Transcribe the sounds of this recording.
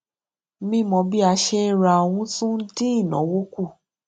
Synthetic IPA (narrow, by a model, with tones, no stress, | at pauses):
mĩ˦mɔ̃˧bi˦a˧ʃe˦ɾa˧o˧w̃ũ˧˦tũ˦n̩˦ti˦i˦˨nɔ̰̃˨˦wo˦ku˦˨